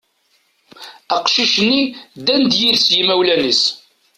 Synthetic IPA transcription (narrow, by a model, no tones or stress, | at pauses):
æqʃiʃənːid̪ænd̪jiɾsjimæwlænis